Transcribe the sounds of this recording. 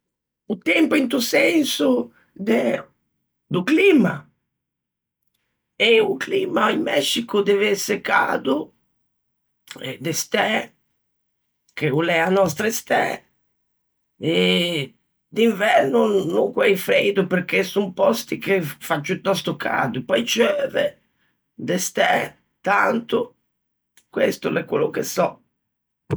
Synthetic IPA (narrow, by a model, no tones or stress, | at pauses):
ʊt̪ɛmpʊint̪usɛnsʊ | d̪ɛ | d̪ʊklima | ɪʊklimaimːɛʃikʊd̪ɛveseka̰d̪ʊ | ɛd̪est̪ɛ | kɪulɛanɔst̪ɾest̪ɛ̰ | ɛ | d̪iɱvɛɾnunuŋkwɛjfɾejd̪upeɾk̟esumpɔst̪ikefad͡ʒːut̪ːɔst̪ukʰa̰ːd̪upɔjt͡ʃøːvɛ̰ | d̪ɛst̪ɛ | t̪ant̪ʊ | kwḛst̪ʊlɛkːwolʊkesɔ